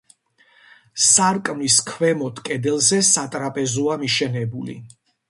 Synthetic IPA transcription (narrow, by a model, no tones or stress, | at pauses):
saɾkʼmliskʰvɛmɔt̪ʰkʼɛd̪ɛlˠzɛsat̪ʼɾapʼɛzɔamiʃɛnɛbulḭ